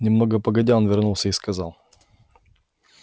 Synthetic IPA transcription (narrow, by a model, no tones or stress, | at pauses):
nʲɪmnoɡəpəɡɐdʲɛlˠnvʲɪɾnulˠsʲəiskɐza̰lˠ